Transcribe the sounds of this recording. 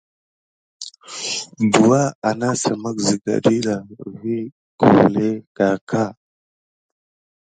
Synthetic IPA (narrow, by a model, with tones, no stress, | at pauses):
du˨wa˦a˨na˦sa˨ma˦kzi˨ɡa̰˨ɗi˦la˨vi˦ | kṵ˨ɾle˦ka˨kʰa˦